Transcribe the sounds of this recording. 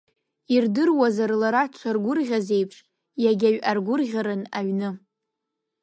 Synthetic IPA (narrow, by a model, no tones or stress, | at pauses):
irdɨrwazarlaɾat͡ʃʷʰarɡʷʊrʁʲaze̞jpʰʂ | jaɡʲaɥʔarɡʷʊrʁʲaɾɨnaɥnɨ